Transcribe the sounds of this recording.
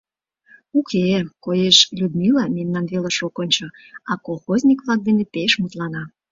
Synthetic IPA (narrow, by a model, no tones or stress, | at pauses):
ukʰekojeʃlʲud̪milɑmemnɑnβelɑʃokonʲt͡ɕŏ | ɑkolˠxozʲnʲikβlˠɑk̚d̪enepeʃmut̪lɑnɑ